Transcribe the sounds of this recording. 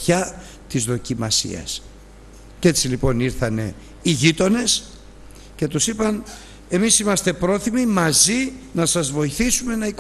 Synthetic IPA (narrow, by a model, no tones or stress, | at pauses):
çɐ | t̪izðo̞cimɐsḭɐ̰s | ce̞t͡silipo̞niɾθɐne̞̰ | iʝit̪o̞ne̞s | ce̞t̪usipɐn | e̞misimɐst̪e̞pɾo̞θimimɐzinɐsɐzvo̞iθisume̞nɐik